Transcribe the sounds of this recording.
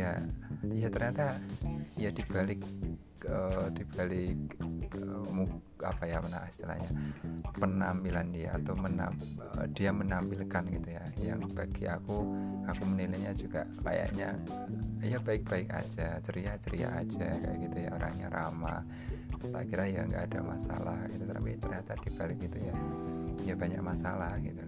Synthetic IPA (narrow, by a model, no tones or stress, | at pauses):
ja̰ijat̪ərɲat̪aijad̥ib̥alɪk̚ | əd̥ib̥alɪkəmu | a̰pajaməna̰st̪ila̰hɲapənambilandiaːt̪awmənad̥iamənambilkanɡit̪ujaja̰ŋb̥aɡ̥iakuakumənilaɲad͡ʒuɡaʔka̰ja̰ʔɲa | ijabaɪk̚b̥aɪka̰d͡ʒat͡ʃəɾiat͡ʃəɾia̰ʔad͡ʒaka̰jaɡ̥it̪uja̰oɾa̰ŋɲa̰ɾʔa̰ma̰ | t̪a̰kiɾaija̰ŋɡaʔːdamasa̰lahɡit̪ut̪əna̰pit̪ərɲat̪ad̥ib̥alɪk̚ɡit̪ujaijabaɲa̰k̚masalahɡit̪u